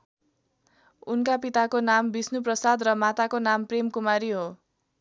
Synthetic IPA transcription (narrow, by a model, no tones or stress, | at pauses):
unkapit̪akonambisnuprʌsad̪rʌmat̪akonampremkumaɾiɦo